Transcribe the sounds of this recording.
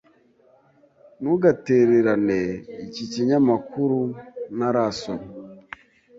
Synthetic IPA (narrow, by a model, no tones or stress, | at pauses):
nuɡateɾeɾaneiciciɲamakuɾunaɾasom